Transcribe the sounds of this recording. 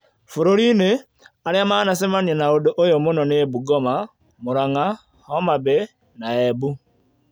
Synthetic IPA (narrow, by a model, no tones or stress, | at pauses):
fuɾoɾine | aliamanasemanenaodoʔojomunoneeβuɡoma | muɾaŋa | homabe | naeβu